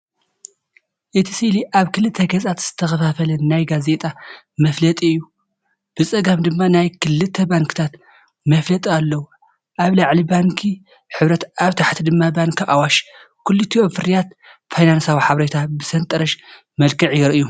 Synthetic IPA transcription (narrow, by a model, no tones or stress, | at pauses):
ʔɨt̪ʰi̥siliʔaβkʰɨlɨt̪ʰːɐɡɐzʼat̪z̥ɨ̥t̪ʰɐxɐfafɐlɐnnajɡaze̞t̪ʼa | mɐflɐt̪ʼiɨjːu | b̥ɨt͡sʼɐɡamd̪ɨmːanajkʰɨlːɨt̪ʰːɐbaŋkʰɨ̥t̪ʰat̪ | mɐflɐt̪ʼialːɐwu | ʔaβlaʕlibaŋkʰi | ħɨβɾɐt̪ʔaβt̪ʰaħt̪ʰid̪ɨmːabaŋkʰiʔawaʃ | kʰulːut̪ʰiofɨɾijat̪ | fajnansawiħaβɾet̪ʰabɨsɐnt̪ʼɐɾɐʃ | mɐlkʰɨʕijɪɾɨʔɨju